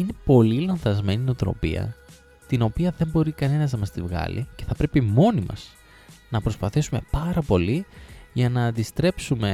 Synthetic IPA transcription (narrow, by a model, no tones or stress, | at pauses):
ine̞po̞lilɐnθɐzme̞ninot̪ɾo̞̰pḭɐ̰ | t̪ino̞piɐðe̞mbo̞ɾikɐne̞nɐznɐmɐst̪ivɣɐ̰lḭce̞θɐpɾe̞pimo̞nimɐ̰z̥ | nɐpɾo̞spɐθisume̞pɐɾɐpo̞liʝɐnɐːnd̪ist̪ɾe̞psume̞